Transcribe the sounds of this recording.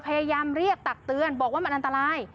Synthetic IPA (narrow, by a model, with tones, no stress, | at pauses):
pʰa˧jaː˧jaː˧mɾi˥˩ək̚t̪a˨˩k̚t̪ɯ˧ənbɔː˨˩k̚waː˥˩a˧nʔa˧nt̪a˧ɾaː˧˥j